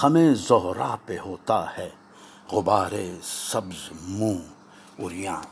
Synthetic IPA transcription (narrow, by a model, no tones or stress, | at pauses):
ɐmẽːzoɦɾaːpeɦoːt̪ahɛː | ɣʊbaːɾesɐbzmũː | ʊɾjãː